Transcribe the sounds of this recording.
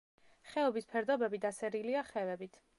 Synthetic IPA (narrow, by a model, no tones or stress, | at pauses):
χɛɔbispʰɛɾd̪ɔbɛbid̪asɛɾiliaχɛvɛbit̪ʰ